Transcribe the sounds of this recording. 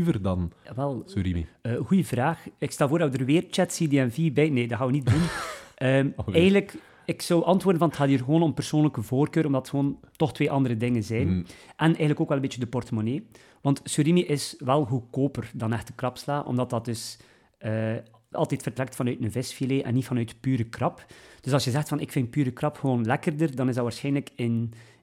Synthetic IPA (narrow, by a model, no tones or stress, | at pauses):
vərdɑnʋɛlˠsyɾiḭəːɣujəvraːxɪkstɛlˠvoːrdɑtwədərʋeːrt͡ʃɛtsideːɛnvibɛjneːdɑɦaːwənit̚dunəːɛjɣəndlək | ɪksɔwʔɑntwoːrdənvɑnətxaːtiːrɣəʋoːnɔmpərsoːnləkəvoːrkøːɾɔmdɑtxəʋoːntɔxtʋeːʔɑndəɾədɪŋənzɛjnʔɛnʔɛjɣənləkoːkwɛlˠəmbeːt͡ʃədəpɔrtəmoneː | ʋɑntsyɾimiʔɪsʋɛlˠɦukoːpərdɑnɛxtəkrɑpslaːʔɔ̰mdɑt̚dɑt̚dɵs | əː | ɑ̰lˠtɛtfərtɾɛk̚tfɑnœɥtmənvɪsfileːʔɛ̰nːitfɑnœɥtpyːɾəkrɑpd̥ɵsɑlˠsjəzɛxtfɑnɪkfɪnt̚pyːɾəkrɑpxəʋoːnlɛkərdərdɑnɪzdɑʋaːɹsxɛjnləkɪn